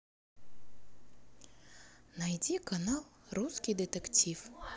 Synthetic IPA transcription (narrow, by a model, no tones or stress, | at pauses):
najd͡zʲikanalˠruskʲijd̪ɨt̪ɛkt͡sʲif